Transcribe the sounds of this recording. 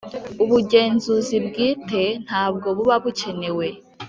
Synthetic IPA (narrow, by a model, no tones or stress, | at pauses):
uβuɟe̞ːnzuzibɡiːte̞n̥haːb̚ɡo̞βuβaβuce̞ne̞we̞